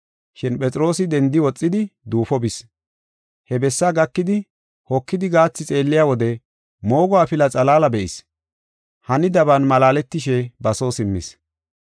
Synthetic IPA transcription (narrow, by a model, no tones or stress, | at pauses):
ʃɪnpʼɛt͡sʼɾo̞ːsɪd̪ɛnd̪ɪwɔt͡sʼːɪd̪ɪd̪uːfɔbɪs | hɛbɛsːaɡɐkːɪd̪ɪ | hɔkːɪd̪ɪɡaːt͡sːɪt͡sʼe̞ːlːɪjaːwɔd̪ɛ | mo̞ːɡɔwaːfɪlɐt͡sʼɐlaːlɐbɛʔɪs | hɐnɪd̪ɐbɐnmɐlaːlɛt̪ːɪʃ̬ɛbɐsoːsɪmːɪ̰s